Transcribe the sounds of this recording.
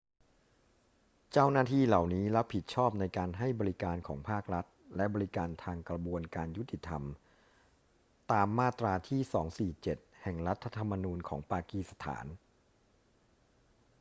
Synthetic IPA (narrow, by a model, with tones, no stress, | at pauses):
t͡ɕaː˥˩wnaː˥˩t̪ʰiː˥˩la˨˩wniː˦˥la˦˥pʰːi˨˩t̪̚t͡ɕʰɔː˥˩p̚na˧jkaː˧nɦa˥˩jbɔː˧ɾi˦˥kaː˧nkʰɔ̰ː˩˦ŋpʰaː˥˩k̚ɾa˦˥t̪̚lɛ˦˥bɔː˧ɾi˦kaː˧nt̪ʰaː˧ŋkɾa˧bu˧ənkaː˧nju˦˥t̪ʰːi˨˩t̪ʰa˧m | t̪aː˧mːaː˥˩t̪ɾaː˧t̪ʰiː˥˩sɔː˩˦ŋsiː˨˩t͡ɕe˨˩t̪̚hɛ˨˩ŋɾa˦˥t̪ʰːa˧t̪ʰa˧mːa˧nuː˧nkʰɔː˩˦ŋpaː˧kiː˧˩sa˧t̪ʰa̰ː˩˦n